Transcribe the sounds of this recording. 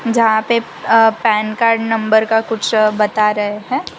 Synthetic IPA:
d͡ʒɐɦãpe | pɛːnkaːɾɖnɐ̃mbəɾkakʊt͡ʃʰbɐt̪aɾɐɦeɦɛ̃ː

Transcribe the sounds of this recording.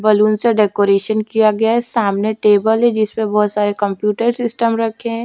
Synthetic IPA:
bɐluːnseɖeːkoːɾeːʃənkijaɡɐjaɦɛsaːmneʈeːbəlɦɛ̃d͡ʒɪsmẽbɔːt̪saːɾekə̃mpjuːʈəɾsɪsʈəmɾɐkʰeɦɛ̃ː

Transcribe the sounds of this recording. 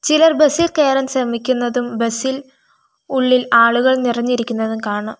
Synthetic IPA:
t͡ɕilɐrbesilkeːɾɐmɕɐmikʲːunːɐðumbesil | uɭːilaːɭuɣɐɭnirɐɲːiɾikʲːunːɐðumkaːɳɐ

